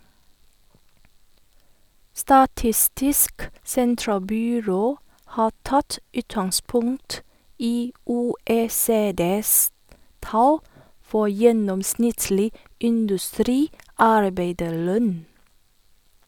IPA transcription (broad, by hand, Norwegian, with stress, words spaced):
stɑˈtɪstɪsk ˈsɛntɾɑlˌbyːɾoː ˈhɑː ˈtɑt ˈʉːtɑŋˌspʊŋt ˈiː ˌuːˌeːˈseːdeːs ˈtɑl ˈfɔ ˈjɛnɔmˌsnɪtlɪ ɪndʉˈstɾiːˌɑɾbeɪdəɾˌlœn